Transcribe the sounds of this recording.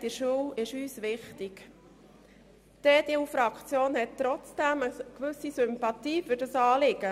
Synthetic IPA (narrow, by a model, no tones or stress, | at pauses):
d̥ɪʃuwɪʃyːsʋɪχtɪk | d̥ɛːdewfɾɑkʰt͡sjoːnhɛt̚t̪ɾɔt͡sd̥æməkʋʉsisʏmpɑtiːfʏɾdɑsɑːlɪɡ̥ə